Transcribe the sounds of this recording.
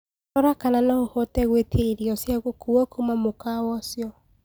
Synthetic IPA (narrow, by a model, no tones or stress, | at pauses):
ɔɾakananaohɔtɛɣwetʰeɾiɔsjaɣokuwɔkomamokawɔsjɔ